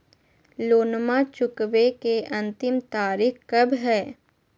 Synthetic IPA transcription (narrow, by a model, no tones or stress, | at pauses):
loːnmat͡ʃʊkʋekeʔɐ̃nt̪ɪmt̪aːɾikkɐbɦɛː